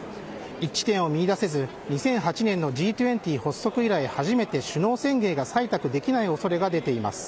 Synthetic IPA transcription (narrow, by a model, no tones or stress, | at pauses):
it͡ɕːi̥t̪ẽɰ̃o̞mʲiːd̪ase̞zɨ | ɲ̟isẽ̞ɰ̃ɦat͡ɕinẽ̞nːo̞ʑiːt̪ʲɯẽ̞nt̪ʲiːho̞sːo̞kɯ̟iɾaihaʑime̞t̪e̞ɕɨno̞ːsẽ̞ŋɡe̞ːɡasait̪akɯ̟d̪e̞kʲinaio̞so̞ɾe̞ɡad̪e̞t̪e̞ima̰sɨ̥